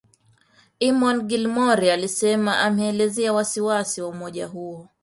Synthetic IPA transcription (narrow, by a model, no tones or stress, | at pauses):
imɔnɡilmɔɾialisɛmaʔamɛːlɛzɛawasiwasiwaumɔʄaɦuɔ